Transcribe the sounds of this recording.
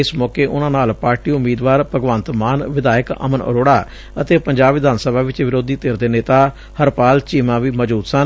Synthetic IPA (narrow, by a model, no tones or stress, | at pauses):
ɪsmɔːkeːʔʊnãːnaːlpaːɾʈiːʊmiːd̪ʋaːɾpəɡʋə̃ːnt̪maːnʋɪd̪aːjəkə̰mənə̰ɾoːɽaː | ət̪eːpəɲd͡ʒaːbʋɪd̪aːnsəbʱaːʋɪt͡ʃʋɪɾoːd̪iːt̪eːɾd̪eːneːt̪aː | həɾpaːlt͡ʃiːmãːʋiːməd͡ʒbuːt̪sən